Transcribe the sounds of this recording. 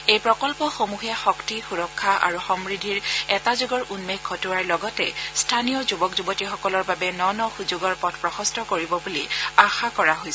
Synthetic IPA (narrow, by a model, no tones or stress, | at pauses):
ejpɹɔkɔlpɔxomuɦɛxɔktixuɹɔkʰːaʔa̰ɹuxɔmɹidʱiɹɛtazuɡɔɹʔunmekkʰɔtuwaɹlɔɡɔtɛ̰stʰanijɔzubɔkzubɔtixɔkɔlɔɹbabɛnɔnɔxuzoɡɔɹpɔtʰpɹɔxɔstʰɔkoɹibɔbuliaxakɔɹaɦojs